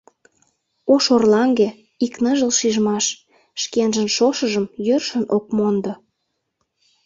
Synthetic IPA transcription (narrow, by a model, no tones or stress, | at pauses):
oʃorlɑŋɡe | iknəʒəlʃiʒmɑʃ | ʃkenʒə̆nʃoʃəʒəmjørʃə̆nʔokmond̪ŏ